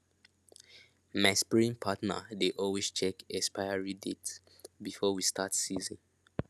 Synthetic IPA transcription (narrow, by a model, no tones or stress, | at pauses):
maspiɹĩŋpʰatnə̰deʔɔlwest͡ʃɛkɛspaɪaɹidets | bifɔwistatsizḭ̃n